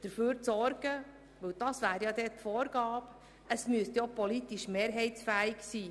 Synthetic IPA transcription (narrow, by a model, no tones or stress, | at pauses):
d̥əɾføːɾt͡sɔɾɡ̥ə | ʋɵwd̥̪ɑsʋæːɾjɑd̪ɛtfɔːɾɡɑːp | əsmyəst̪jopɔlit̪iʃmeːɾɦɛɪsfæːɪksiː